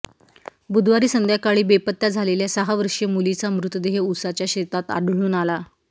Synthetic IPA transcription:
bud̪ʱʋaɾiːsənd̪ʱjakaɭiːbepət̪ːjad͡zʱaleljasəɦaʋəɾʂemulit͡samɾut̪əd̪eɦeusat͡ɕjaɕet̪at̪a̰ɽɭuːnala

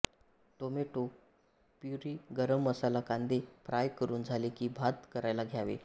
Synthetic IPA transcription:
tomeʈo | pjuɾiːɡəɾəmːəsalakand̪epɾajkəɾuːnd͡zʱalekiːbʱad̪kəɾajlaɡʱjaʋḛ

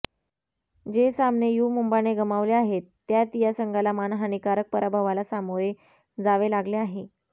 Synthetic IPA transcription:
d͡ʑesamnejumumbañeɡəmaʋleaɦet̪ːjat̪ijasəŋɡʱalamanɦañikaɾək̚pəɾabʱaʋalasamoje | d͡zaʋelaɡleaɦe

